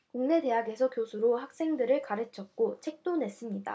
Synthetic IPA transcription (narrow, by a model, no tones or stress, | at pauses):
kuŋne̞de̞ɦaɡe̞sʰʌkjosʰuɾohak̚s͈e̞ŋdɯɾɯɭkaɾɯt͡ɕʰʌt̚k͈ot͡ɕʰe̞k̚t͈one̞s͈ɯmɲida̰